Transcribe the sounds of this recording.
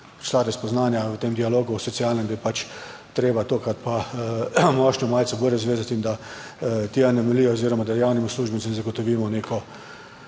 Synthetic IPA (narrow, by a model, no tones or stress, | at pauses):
pɾi̥slaɾɛspɔznaːnjaʋət̪eːmd̪ialoːɡusɔt̪sialnɛmd̪ajɛpat͡ʃ | t̪ɾeːbat̪oːkat̪pa | mɔʃnɔmaːlt̪sɛbuɾjɛzʋeːzat̪ind̪a | t̪eanɛmɛlijɔoziːɾɔmad̪ajawnimusluːʒbɛnsɛmzaɡɔt̪ɔʋiːmɔneːkɔ